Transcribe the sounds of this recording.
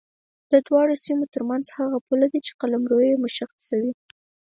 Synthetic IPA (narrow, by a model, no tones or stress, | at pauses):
d̪̥əd̪wɑɽosimot̪əɾmanzhaɣapulad̪it͡ʃe̥qalamɾojemʊʃaxsawi